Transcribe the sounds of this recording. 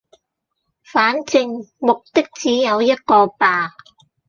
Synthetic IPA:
faː˨˥nt͡sɪ˧ŋmo˨k̚t̪ɪ˥k̚t͡siː˨˥jɐ˨˧wjɐ˥t̚kɔː˧paː˨˧

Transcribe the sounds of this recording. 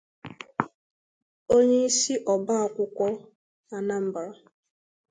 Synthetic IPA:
o˦ɲe˦i˦si˦ʔɔ˨ba˦a˨kʷʊ˦kʷɔ˦ | a˨na˦m̩˦ba˨ɾa˨

